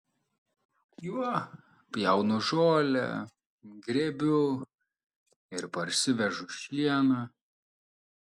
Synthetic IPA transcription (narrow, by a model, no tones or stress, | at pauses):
ju | pʲjɛʊnʊʒoːlʲɛ̰ | ɡɾʲɛbʲʊ | ɪɾpɐɾʲsʲɪʋʲɛʒʊʃʲiɛnɐ